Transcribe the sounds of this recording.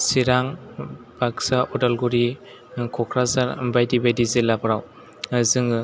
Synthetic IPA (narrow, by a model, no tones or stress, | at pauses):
siɾaŋbaksaʔɔdalɡuɾi | kʰɔkʰɾazaɾmbajdibajdizilabɾaw | zɯŋɯ